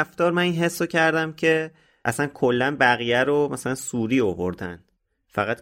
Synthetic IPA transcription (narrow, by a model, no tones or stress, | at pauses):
ft̪ɒːɾmæninɦe̞sːocʰæɾd̪æmcʰe̞ | ʔæsænkʰolːænbæɣijæɾomæsælænsuːɾiːovo̰ɾd̪æ̰n̥ | fæɣæt̪